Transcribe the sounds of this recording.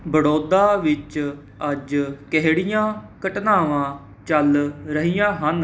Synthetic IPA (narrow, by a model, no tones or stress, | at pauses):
bəɽoːd̪aːʋɪt͡ʃ | əd͡ʒkɛɦɽɪjãːkəʈnaːʋãː | t͡ʃəlɾəɦijãːɦən